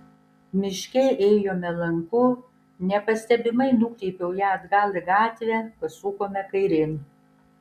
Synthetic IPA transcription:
mʲɪʃʲkʲɛɪʔɛːjoːmʲɛlˠɐŋkʊ | nʲɛpɐsʲt̪ʲɛbʲɪmɐɪnuːkʲɾʲɛɪpʲɛʊjæːɐd̪ɡɑːlˠʲɪɡɑːt̪ʲʋʲɛpɐsuːkoːmʲɛkɐɪɾʲɪn

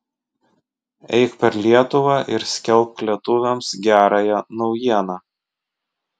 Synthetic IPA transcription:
ɛ̰ɪkpʲɛɾlʲiɛt̪ʊʋɑʔɪɾsʲkʲɛlˠˑp̚kʲlʲiɛt̪ʊʋʲɛmsɡʲæːɾɑjɛnɒʊjiɛnɑː

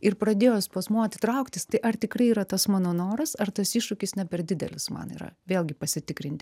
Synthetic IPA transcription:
ɪɾpɾɐd̪ʲeːjoːspɐsmuːɐt̪ʲɪt̪ɾɐʊkt̪ʲɪst̪ɐɪʔɐrt̪ʲɪkɾɐɪiːɾɐt̪ɐsmɑːnoːnoːɾɐsɐrt̪ɐsiːʃʊkʲɪsnʲɛpʲɛɾd̪ʲɪd̪ʲɛ̰lʲɪsmɐ̰nḭːɾɐ̰ʋʲeːlʲˠɡʲɪpɐsʲɪt̪ʲɪkɾʲɪnʲt̪ʲɪ

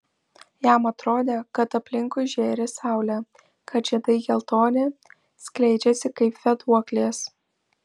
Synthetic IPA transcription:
jæˑmɐt̪ɾoːd̪ʲeːkɐt̪ɐpʲlʲɪŋkʊɪʒʲeːɾʲesɑˑʊlʲɛ | kʰɐt̪ʒʲɛd̪ɐɪɡʲɛlˠt̪oːnʲe | sʲklʲɛɪd͡ʒʲɛsʲɪkɐɪpfʲɛt̪uɔklʲeːs

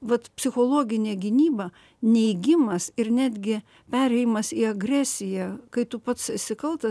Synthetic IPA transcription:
ʋɐt̪pʲsʲɪxoːlˠoːɡʲɪnʲeːɡʲɪnʲiːbɐ | nʲɛɪɡʲɪmɐsɪɾnʲæːd̪ʲɡʲɪ | pʲæːɾʲɛɪjmɐsiːɐɡrʲæːsʲɪjækɐɪt̪ʊpɐt̪ssʲɪkɐlˠt̪ɐ

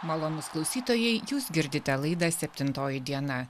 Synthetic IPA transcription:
mɐlˠoːnʊsklˠɐʊsʲiːt̪oːjɛɪjuːsɡʲɪɾʲd̪ʲɪt̪ʲɛlˠɐɪd̪ɑsʲɛpʲt̪ʲɪnt̪oːjɪd̪ʲiɛnɐ

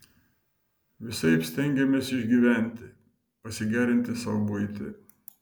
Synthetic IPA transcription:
ʋʲɪsɐɪpsʲt̪ʲɛŋʲɡʲɛmʲeːsɪʒʲɡʲiːʋʲæˑnʲˑt̪ʲɪ | pɐsʲɪɡʲæːɾʲɪnʲt̪ʲɪsɐbʊɪt̪ʲɪ̰

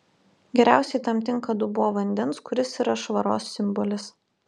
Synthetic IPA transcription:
ɡʲɛɾʲæˑʊsʲɛɪt̪ɐmt̪ʲɪŋˑkɐd̪ʊbʊʋoːʋɐnʲd̪ʲɛnskʊɾʲɪsiɾɐʃʋɐɾo̰ːsːʲɪmbɔlʲɪs

